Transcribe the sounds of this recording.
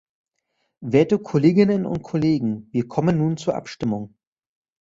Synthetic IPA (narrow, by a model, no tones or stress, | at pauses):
veːɐtəkʰoleːɡɪnənʊ̰ntkʰoleːɡŋ̩viːɐkʰɔmənːuːnt͡suːɐʔa̰pʃtɪmʊŋ